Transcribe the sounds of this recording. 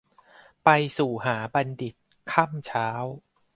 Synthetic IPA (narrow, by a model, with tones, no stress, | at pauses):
pa˧jsuː˨˩ɦaː˩˦ba˧ndi˨˩t̪̚ | kʰa˥˩mt͡ɕʰaː˦˥w